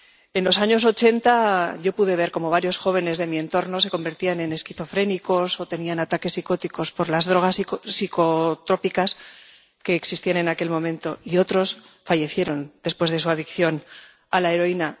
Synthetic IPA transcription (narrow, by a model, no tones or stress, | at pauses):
e̞nlo̞saɲo̞s̬o̞t͡ʃe̞nt̪aʝo̞puðe̞β̞e̞ɾko̞mo̞β̞aɾjo̞sxo̞β̞e̞ne̞zðe̞mie̞nt̪o̞ɾno̞se̞ko̞mbe̞ɾt̪ianẽ̞ne̞skiθo̞fɾe̞niko̞so̞t̪e̞nianat̪ake̞sːiko̞t̪iko̞spo̞ɾlazðɾo̞ɣassikot̪ɾo̞pikas | ke̞ːksist̪iane̞nake̞lmõ̞mẽnt̪o̞io̞t̪ɾo̞s | faʝe̞θje̞ɾo̞nd̪̥e̞spwe̞zð̞e̞suaðikθjo̞n | alae̞ɾo̞ina